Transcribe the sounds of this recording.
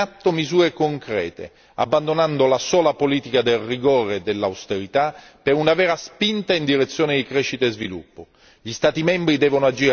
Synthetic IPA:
at̪ːomizuːɾekoŋkɾɛ̰ːt̪ḛ | a̰bːand̪onand̪olasɔːlapoliːt̪ikad̪elriɡoːɾed̪elːawst̪eɾit̪a | peɾunavɛːɾaspint̪aind̪iɾet̪sːjoːned̪ikɾɛʃːit̪eezvilṵpːo | ʎist̪aːt̪imɛmbɾid̪ɛːvonoad͡ʒiːɾ

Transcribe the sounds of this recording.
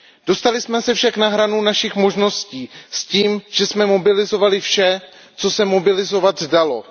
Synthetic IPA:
d̥o̞st̪alɪsmɛsɛfʃaknaɦɾanunaʃɪxmo̞ʒno̞sciːsciːmʒ̥ɛsmɛmo̞bɪlɪzo̞valɪfʃɛ | t͡so̞sɛmobɪlɪzo̞vat̪zdalo̞

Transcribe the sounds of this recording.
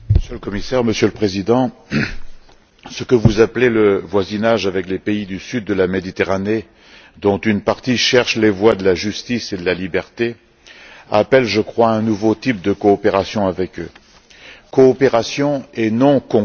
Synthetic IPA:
məsjøləkɔmisɛʁməsjøləpχezid̪ɑ̃ | səkəvuzapleləvwazinaʒavɛklepeid̪ysyd̪ːəlamed̪it̪eʁane | d̪ɔ̃t̪ynpaʁt̪iʃɛʁʃlevwad̪əlaʒyst̪ised̪əlalibɛʁt̪e | a̰pɛlʒəkχwaɛ̃nuvot̪ip̚d̪əkɔːpeʁasjɔ̃avɛkø | kɔːpeʁasjɔ̃enɔ̃kɔ̃

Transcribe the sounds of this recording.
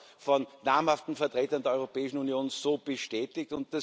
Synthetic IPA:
fɔnːaːmhaftn̩fɛɐtʁeːtɐndeɐɔʏʁopɛːɪʃn̩unijoːnsoːb̥əʃtɛːtɪk̚tʊnt̚d̥a

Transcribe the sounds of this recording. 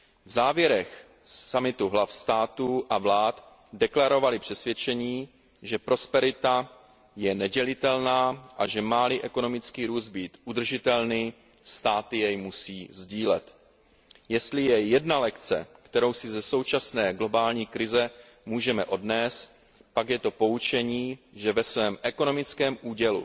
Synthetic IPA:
vzaːvjɛɾɛx | samɪt̪uɦlafst̪aːt̪uʔavlaːt̪ | dɛklaɾo̞valɪpr̥ɛsvjɛt͡ʃɛɲiː | ʒɛpɾo̞spɛɾɪt̪a | jɛnɛɟɛlɪt̪ɛlnaːʔaʒɛmaːliʔɛko̞no̞mɪt͡skiːɾuːsd̪̚biːt̪ʔud̪r̩ʒɪt̪ɛlniː | st̪aːt̪ɪjɛjmusiːzɟiːlɛ̰t̪ | jɛst̪lɪjɛjɛdnalɛkt͡sɛ̰kt̪ɛɾo̞wsɪzɛso̞wt͡ʃasnɛːɡlo̞baːlɲiːkɾɪzɛ | muːʒɛmɛʔo̞dnɛːst̪ | pakjɛt̪o̞po̞ut͡ʃɛɲiːʒɛvɛsvɛːmʔɛko̞no̞mɪt͡skɛːmʔuːɟɛlṵ

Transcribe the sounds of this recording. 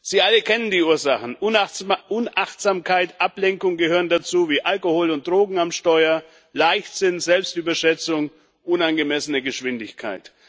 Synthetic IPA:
z̥iːʔaləkʰɛnəndiːuːɐzaχn̩ʔʔʊnʔaχtz̥aːmkʰaɪtʔaplɛŋkʊŋɡəɦøːʁ̞əndat͡suːviːʔalkohoːlʊnt̚d̥ʁoːɡŋ̩amʃtɔʏɐ | laɪçtz̥ɪnzɛlpstʔyːbɐʃɛt͡sʊŋ | ʔʊnanɡəmɛsənəɡəʃv̥ɪndɪçkʰa̰ɪt

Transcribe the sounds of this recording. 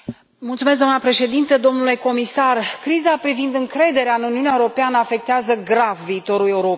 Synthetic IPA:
mult̪sumes̬ɡd̪oamnapɾe̞ʃe̞d̪int̪əd̪o̞mnule̞ko̞misarkɾizapɾivind̪ɨŋkɾe̞d̪e̞ɾeaɨnuniunjaeuɾo̞peanəafe̞k̚t̪eazəɡɾavːiːt̪o̞ɾule̞uɾo̞p

